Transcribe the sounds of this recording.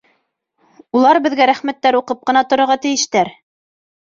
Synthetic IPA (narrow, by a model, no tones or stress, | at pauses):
ulˠɑɾbɘ̆ðɡæɾæχmæt̪ːæɾuqɤp̚qɤ̆nɑt̪ŏɾŏɾʁɑt̪ɘ̆jɘ̆ʃt̪æɾ